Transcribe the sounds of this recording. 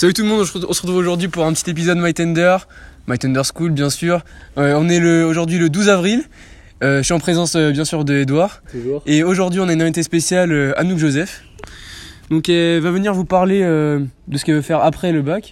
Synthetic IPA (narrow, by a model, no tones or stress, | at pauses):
savyt̪ulmɔ̃d̪ɔ̃ʒɔ̃sə̥ʁət̪χuvoʒuʁd̪ɥipuʁɛ̃pət̪it̪ep̬izɔd̪majt̪ɛnd̪œʁ | majt̪ɛnd̪œʁskulbjɛ̃syʁøɔ̃nɛləoʒuʁd̪ɥiləd̪uzavʁil | øʃiɑ̃pχezɑ̃søbjɛ̃syʁd̪əed̪waʁeoʒuʁd̪ɥiɔ̃naynʁɛ̃vit̪espesjaløa̰nukʒozɛf | d̪ɔ̃kɛvavəniʁvupaʁleød̪əsə̥kɛlvəfɛʁapχɛləbak